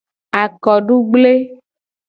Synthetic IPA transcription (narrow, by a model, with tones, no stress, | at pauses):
a˨kɔ˨ɖu˦ɡ͡ble˦